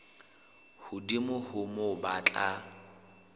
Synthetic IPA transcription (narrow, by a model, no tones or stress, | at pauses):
hʊdimʊhʊmobat͡ɬʼa